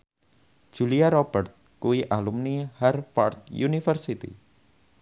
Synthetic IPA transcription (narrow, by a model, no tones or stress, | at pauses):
d̥ʒ̥ṳliaɾɔb̥ərt̪̚kuiʔalumnihɛrfɔrt̪̚junifərsit̪ḭ